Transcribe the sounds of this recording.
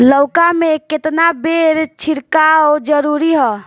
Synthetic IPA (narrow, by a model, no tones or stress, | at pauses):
lɔʊkameket̪nabeɾt͡ʃʰiɾkaod͡ʒəɾuɾiɦɔ